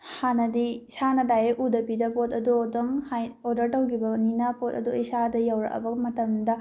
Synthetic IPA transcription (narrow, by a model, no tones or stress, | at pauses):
hanɐdisanɐdajeʔudɐpidɐpotɐduodɐŋhajodɐɾtɐwkʰibɐninɐpotɐ̰duisadɐjawɾɐ̰kɐ̰bɐmɐtɐmdɐ